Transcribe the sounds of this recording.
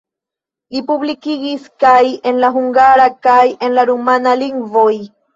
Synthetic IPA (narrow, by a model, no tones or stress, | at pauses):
ipuβlikiɡiskaje̞nlaɦuŋɡaɾakaje̞nlaɾumanaliŋɡvoj